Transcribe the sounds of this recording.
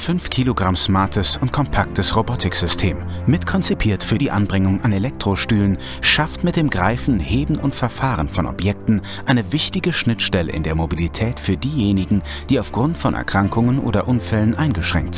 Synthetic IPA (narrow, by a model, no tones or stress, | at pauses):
fʏnfkʰiːloɡʁamsmaɐtʰəsʊnt̚kʰɔmpʰak̚təsʁobɔtʰɪkz̥ʏstʰeːmːɪtkʰɔnt͡sipʰiːɐtfyːɐdiːʔanbʁɪŋʊŋʔanelɛk̚tʁ̥oʃtyːlən | ʃaftmɪt̚d̥eːmɡʁaɪfn̩heːbm̩ʔʊntfɛɐfaːʁənfɔnɔ̰pjɛk̚tn̩ | ʔaɪnəvɪçtɪɡəʃnɪtʃtɛlə̰ʔɪ̰ndeːɐmobilitʰɛːtfyːɐdiːjeːnɪɡŋ̩ | d̥iːaʊfɡ̥ʁʊntfɔnʔɛ̰ɐkʁ̥aŋkʰʊŋənʔo̰ːdɐʔʊnfɛlənʔaɪnɡəʃʁ̥ɛ̰ŋk̚t